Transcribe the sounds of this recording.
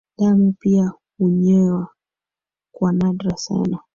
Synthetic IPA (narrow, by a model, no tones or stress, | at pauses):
ɗamupia | huɲɛwa | kwanadɾasɛ̰na